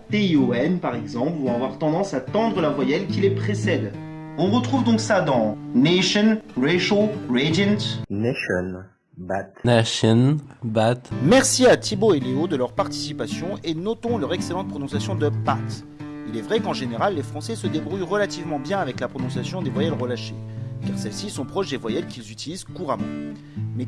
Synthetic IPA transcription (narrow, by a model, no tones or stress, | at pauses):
t̪eioɛnpaʁɛɡzɑ̃plvɔ̃avwaʁt̪ɑ̃d̪ɑ̃sat̪ɑ̃d̪ʁəlavwajɛlkʲilepχesɛd̪ | ɔ̃ʁət̪χuvd̪ɔ̃ksad̪ɑ̃neʃɔnʁeʃoʁedɛ̃nt̪neʃɔ̰n | bat̪aʃɔnbat̪mɛʁsiat̪iboeleod̪əlœʁpaʁt̪i̥sipasjɔ̃ʔenɔt̪ɔ̃lœʁɛkselɑ̃t̪̚pχɔnɔ̃sjasjɔ̃d̪əbat̪ | ilɛvʁɛkɑ̃ʒeneʁalːefχɑ̃sɛsəd̪ebʁujʁəlat̪ivmɑ̃bjɛ̃avɛklapχɔnɔ̃sjasjɔ̃d̪evwajɛlʁəlaʃekaʁsɛlsisɔ̃pχɔʃd̪evwajɛlkʲilzyt̪ilizkuʁamɑ̃ | mɛ